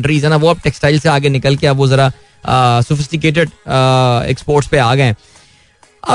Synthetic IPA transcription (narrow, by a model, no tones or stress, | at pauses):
ɳɖɾiːzɛnaʋoɐb̚ʈɛksʈaːɪlseaːɡenɪkəlkeɐbʋozɐɾa | sʊfɪsʈɪkeːʈ̬eɖ | ɛ̰kspoːɾʈspeaːɡɐɛ̃ː | ɐ̰